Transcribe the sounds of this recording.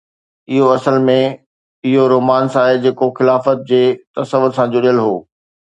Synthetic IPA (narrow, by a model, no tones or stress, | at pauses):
ɪɦoɐsəlmẽ | ɪɦoɾoːmaːnsaːɦed͡ʑeːkoxɪlaːfət̪̚d͡ʑeːt̪ɐsəʋʊɾsãd͡ʑʊɗijəlɦoː